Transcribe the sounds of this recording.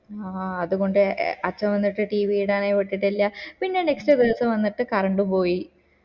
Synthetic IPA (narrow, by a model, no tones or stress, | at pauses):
aɐðuɣo̞ɳɖɨɐt͡ɕːɐmʋɐnːiʈːɨʈiːʋijiɽaːneʋiʈːiʈːɐlːɐpinːe̞ne̞kstrɐd̪iʋɐsɐmʋɐnːiʈːɨkɐrɐɳɖupo̞ːji